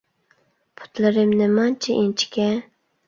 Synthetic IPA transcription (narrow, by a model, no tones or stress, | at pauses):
pʰʊ̥t̪ʰlɪɾɪmnɪmɑnt͡ʃʰiʔint͡ʃʰi̥kʲɛ